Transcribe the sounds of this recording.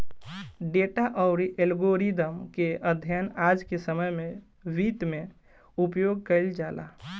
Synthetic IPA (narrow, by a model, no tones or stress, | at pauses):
ɖeʈaʔəʊɾiʔelɡoɾid̪əmkeəd̪ʱjənad͡ʒkesəməjme | ʋit̪me | upjoɡ̚kəɪld͡ʒala̰